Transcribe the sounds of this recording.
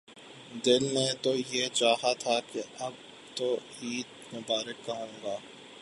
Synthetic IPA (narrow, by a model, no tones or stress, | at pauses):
d̪ɪlnet̪ojet͡ʃaːhat̪ʰakeɐb̚ | t̪o | iːt̪mebaːɾəkːɐɦõːɡaː